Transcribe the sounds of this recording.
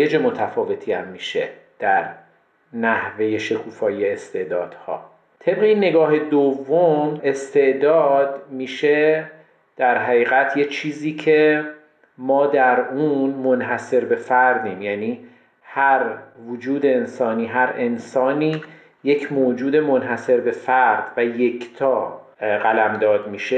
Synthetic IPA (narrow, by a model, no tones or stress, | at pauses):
ed͡ʒe̞mo̞t̪ʰæfɒːve̞t̪ʰiːæmːiːʃe̞̰d̪̥æɾ | næhve̞je̞ʃe̞kʰuːfɒːjieːst̪e̞ʔd̪ɒ̰ːd̪̥hɒ̰ː | t̪ʰe̞bɣe̞inːe̞ɡɒːɦed̪ovːome̞st̪e̞ʔd̪ɒːd̪miːʃe̞ | d̪̥æɾɦæɣiːɣæt̪ʰje̞t͡ʃʰiːziːcʰe̞ | mɒːd̪æɾuːnmonɦæse̞ɾbe̞fæɾd̪iːmjæːniː | hæɾvod͡ʒuːd̪e̞ːnsɒːniːɦæɾe̞nsɒːniː | je̞cʰmoːd͡ʒuːd̪e̞mo̞nɦæse̞ɾbe̞fæɾd̪̥væje̞cʰt̪ʰɒːɢælæmd̪ɒːd̪miːʃe